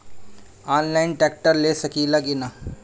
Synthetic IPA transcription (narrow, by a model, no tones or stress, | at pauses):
aːnlaːɪnʈɛːk̚ʈəɾleːsɐkiːlaɡɪnaː